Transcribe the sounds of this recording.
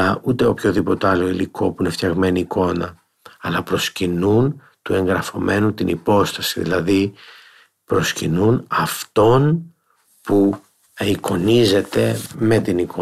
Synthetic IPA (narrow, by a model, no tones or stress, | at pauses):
ɐut̪e̞o̞pço̞ðipo̞t̪eɐlo̞ilikʰo̞puineft̪çɐɣme̞niːko̞nɐː | lɐpɾo̞scinun | t̪ue̞ŋɡɾɐfo̞mʔe̞nut̪inʔḭpo̞st̪ɐsiðḭlɐði | pɾo̞scinunɐft̪o̞n | pu | iko̞nize̞t̪e̞me̞t̪iniko